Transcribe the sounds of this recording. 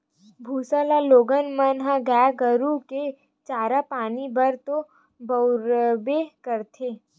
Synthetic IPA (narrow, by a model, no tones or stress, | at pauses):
bʱuːsalaloːɡənmənɦãɡaːɡəɾuke | t͡ʃaːɾapaːnibʱəɾt̪o | bɐʊɾbeɦkəɾt̪ʰeː